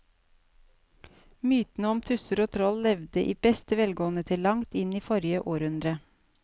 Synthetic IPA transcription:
myːt̪n̩əɔmt̪ʰʉsəɾoːt̪ʰɾɔllɛʋd̪əʔiːb̥ɛst̪əʋɛlɡoːənət̪ʰɪllɑŋt̪ɪniːfɔɾɪəʔoːɾʉnd̪ɾə

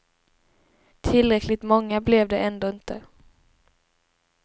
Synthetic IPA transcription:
t̪ʰɪlːɾɛklɪt̪mɔŋːablɛvd̪ɛʔɛnd̪oːɪnt̪ʰə

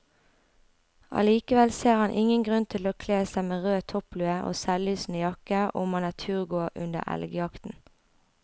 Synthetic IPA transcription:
ɑ̰liːkəʋɛlseːʁhɑnʔɪŋənɡʁʉnt̪ʰɪloːkʰleːsæɪmeːʁøːt̪ʰɔplʉːəʔo̰ːsɛlyːsn̩əjɑkəʔʊmhɑnæːt̪ʰyːɡoːʔʉ̰nd̪ə̰ʔɛ̰lɡəjɑkt̪n̩

